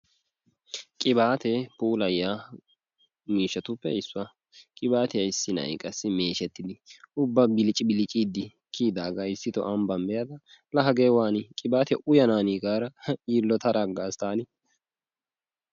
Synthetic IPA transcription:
kʼɪbaːt̪epuːlɐjːaː | miːʃːɐt̪ʊpːɛ̰ɪsːʊɐ | kʼɪbaːt̪ɪjɐɪsːɪnɐ̰ɪkʼɐsːɪmeːʃɛt̪ːɪd̪ɪʊbːɐbɪlɪt͡ʃʼɪbɪlɪt͡ʃʼiːd̪ːɪ | kʰiːd̪aːɡaɪsːɪt̪ɔ̰ʔɐmbɐmbɛjɐd̪ɐ | lɐɦɐɡeːwaːnɪkʼɪbaːt̪ɛʔʊjɐnaːniːɡaːɾɐiːlːɔt̪ɐɾʔaɡːaːst̪aːnɪ

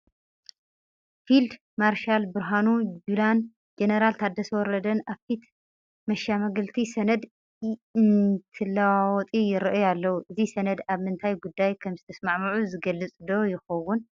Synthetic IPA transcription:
fild̪ | maɾʃalbɨɾɦanud͡ʒulan | d͡ʒenɐɾalt̪ʰad̪ːɐsɐwɔɾɐd̪ɐnaβfit̪ | mɐʃamɐɡɨlt̪ʰisɐnɐd̪ | ɨnt̪ʰɨlːawawɔt̪ʼijɪɾɨʔjalːɐwuʔɨzisɐnɐd̪aβmɨnt̪ʰajɡud̪ːajkʰɐmzɨt̪ʰɐsmaʕmɐʕuzɨɡɐlːɨt͡sʼd̪o̞jɪxɐwun

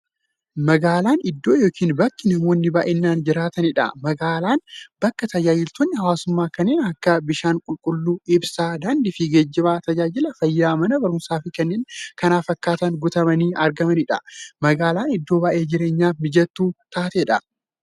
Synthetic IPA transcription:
mɐɡaːlaːnɪd̪ːo̞ːjo̞ːkʰiːnbɐkːɪnɐmo̞ːnːɪbaːʔɛnːaːnd͡ʒɪɾaːt̪ɐnɪᶑɐ̰mɐɡaːlaːnbɐkːɐt̪ɐd͡ʒaːd͡ʒɪlt̪oːnːɪhɐwaːsʊmːaːkɐnːeːnɐkːɐbɪʃaːŋkʼʊlkʼʊlːuːɪbsaːd̪aːnd̪ɪfɪɡeːd͡ʒːɪbaːt̪ɐd͡ʒaːd͡ʒɪlɐfɐjːaːmɐnɐbɐɾʊnsaːfɪkɛnːeːnkɐnaːfɐkːaːt̪ɐŋɡʊt̪ɐmɐniːʔɐɾɡɐmɐnɪᶑɐ̰mɐɡaːlaːnɪd̪ːo̞ːbaːʔe̞ːd͡ʒɪɾe̞ːɲːaːmɪd͡ʒɐt̪ːuːt̪aːt̪eᶑɐ

